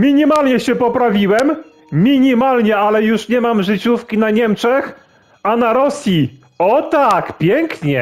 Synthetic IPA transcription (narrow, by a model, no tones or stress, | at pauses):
mʲiɲimalɲɛɕɛpɔpɾavʲiwɛmːʲ | iɲimalɲɛalɛjuʂɲɛmamʐɘt͡ɕufkʲinaɲɛmt͡ʂɛx | anaɾɔsʲji | ɔt̪akpʲjɛŋkɲɛ